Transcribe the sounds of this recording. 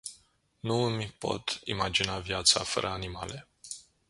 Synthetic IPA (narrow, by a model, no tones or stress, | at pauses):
nuɨmʲpo̞̰t̪ḭmad͡ʒinavjat̪sa̰fə̰ɾʔəanimale